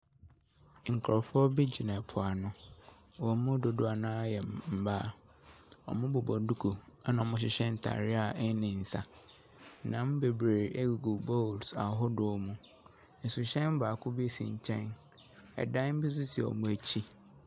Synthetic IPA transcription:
ŋ̩˨kʰɾɔ˨fʊ˦ɔ˦bi˦d͡ʑi˨nã˨pʰʊ˨a˨nʊ̃˦wɔ˨mʊ̃˦dʊ˨dʊ˦a˨nã˦a˦jɛ˨m̩˨ba˦˨ | ɔ̰˨mʊ̃˦bʊ˨bɔ˨du˦kʰu˨a˦nã˨ɔ˨mʊ̃˦ɕ̬ɪ˨ɕɛ̃˦n̩˨tʰa̰˨ɾɪ˦a˨ɛ˦nɪ̃˨n̩˨sa˨˦ | nã˨˦m˦be˨bɾe˨e˦ɡɡu˨bo˦˨lsa˨ɦɔ˦dʊ˨ɔ˨mũ˨ | n̩˨sʊ˨ɕɛ̃˦m̩˦ba˨kʰʊ˦bi˦˨sḭ̃˨ɲ˨t͡ɕʰɛ̃˦n | ɛ̰˨dã˦m̩˦bɪ˦s̬ʊ˦si˨ɔ̰˨mʊ̃˦æ˨t͡ɕʰi˦

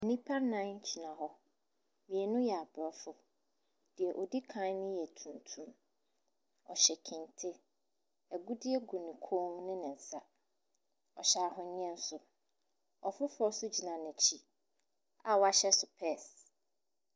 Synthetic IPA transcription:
nĩ˦pʰa˦ɾnã˦ɲ̩˦t͡ɕʰi˨nã˨ɦɔ˦ | mĩ˨ɛ˨nʊ̃˦jɛ˨a˨bɔ˦fʊ˦ | d̥ɪ˨ɛ˨ʔɔ˨di˦kʰã˦nɪ̃˦jɛ˨tʰũ˨ntʰũ˦m | ɔ˨ɕɛ˨kʰɪ̃˨ntʰɪ˦ | ɛ˨ɡu˦dɪ˦ɛ˦ɡu˨nĩ˨kʰõ˦ŋ˦nɪ̃˦nɪ̃˨n˨sa˦ | ɔ˨ɕa˨ɦɔ̃˨ɲĩ˦ɛ̃˦n̩˦sʊ˨ | ɔ˨fʊ˦fʊ˦ɔ˦sʊ˦d͡ʑi˨nã˨nɪ̃˨t͡ɕʰi˦ | a˨wa˦ɕɛ˦sʊ˨pʰɛ˦˨s

